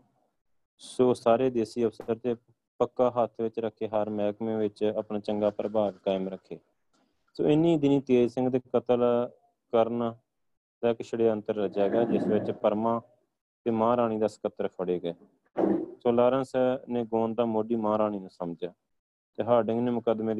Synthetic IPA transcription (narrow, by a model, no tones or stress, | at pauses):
soːsaːɾeːd̪eːsiːəpsəɾt̪eː | pəkːaːɦaːt̪ʰʋɪt͡ʃɾəkʰːeːɦaɾmɛːkmẽːʋɪt͡ʃəpɳaːt͡ʃəŋɡaːpəɾbaːʋkaːɪmɾəkʰːeː | so̰ːɪnĩːd̪ɪniːt̪eːd͡ʒsɪ̃ŋɡt̪eːkət̪əl | kəɾnː | t̪ɛːkɪʃʰɪɽeːənt̪əɾːəd͡ʒaːɡaːd͡ʒɪsʋɪt͡ʃpəɾmãː | t̪eːmãːɾaːɽ̃iːd̪aːsə̥kət̪ːəɾpʰəɽeːɡɛː | soːlaːɾənsnẽːɡoːnd̪aːmoːɖiːmãːɾaːɽ̃iːnaːsəmd͡ʒjaː | t̪eːɦaːɖɪŋɡneːmʊkəd̪meː